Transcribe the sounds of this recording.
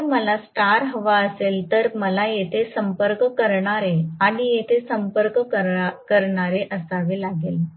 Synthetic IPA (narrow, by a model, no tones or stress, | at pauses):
məlasʈaɾɦoʋaəselt̪əɾməlajet̪ʰesəmpəɾkkəɾɳaɾeaɽ̃ijet̪ʰesəmpəɾkkəkəɾɳaɾeʔəsaʋelaɡel